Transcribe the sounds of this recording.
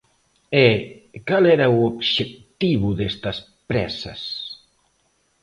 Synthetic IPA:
ekalɛɾauobʃek̚t̪iβuðest̪ɐs | pɾɛsɐ̰s

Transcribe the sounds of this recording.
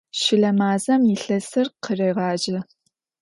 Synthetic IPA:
ʃɪɮɐmaːzɐmjɪɬɐsɨrqʰərɐjʁɑːd͡ʒɪ

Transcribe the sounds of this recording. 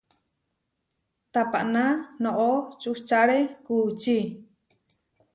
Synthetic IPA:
t̪apaʔnanõʔot͡ʃuht͡ʃaɾekut͡ʃi

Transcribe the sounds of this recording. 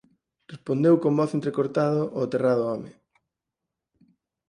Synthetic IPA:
respond̪ewkomboθent̪ɾekoɾt̪aðʊʔoat̪eraðʊɔmɪ

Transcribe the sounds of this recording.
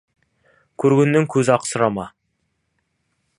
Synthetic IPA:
kʲʰɵɾɡʲenːɪŋkʲʰɵzɪɑqsəɾɑmɑ

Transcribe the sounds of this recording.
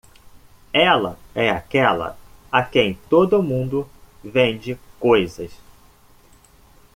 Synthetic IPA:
ɛlɐ̰ɛakɛlɐ̰akẽj̃t̪od̪ʊːmũnd̪ʊvẽd͡ʒɪkojzɐs

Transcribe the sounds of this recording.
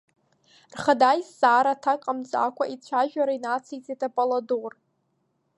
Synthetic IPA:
rχadajsːʼaːɾatʰakʼamt͡sʼa̰kʷʰaʔit͡sʷʰaʒᶣaɾainat͡sʰijt͡sʼetʰʼapʼalador

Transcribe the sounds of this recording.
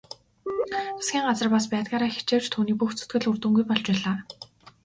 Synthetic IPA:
ḁsɡʲiːŋɢat͡sə̆rpaspæːt̪̚ɡaːɾaːxe̥t͡ɕeːw̥t͡ɕt̪ʰuːniːpuxt͡sʰɵt̪̚ɡɘ̆ɮurt̪ŭŋɡujpɔɮt͡ɕpæːɮaː

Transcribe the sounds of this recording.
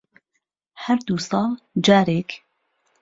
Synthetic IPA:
hæɾd̪uːsɑːl | d͡ʒaːɾeːk

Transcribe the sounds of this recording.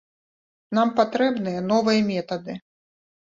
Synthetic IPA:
nampat̪ɾɛbnɨjɐnɔvɨjɐmʲɛt̪ɐd̪ɨ

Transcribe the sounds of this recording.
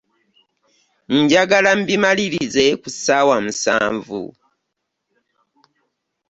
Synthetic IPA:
ɲɟaɡalambimaliɾize̞kusawamusa̰ːɱvṵ

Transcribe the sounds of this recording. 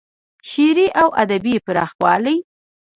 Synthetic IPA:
ʃiɾiʔawʔa̰d̪abipəɾɑ̰xwɑləj

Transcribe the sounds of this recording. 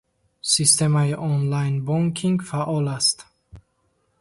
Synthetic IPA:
sist̪e̞maiʔɔnlajnbɔŋkʰiŋɡfaʔɔlast̪

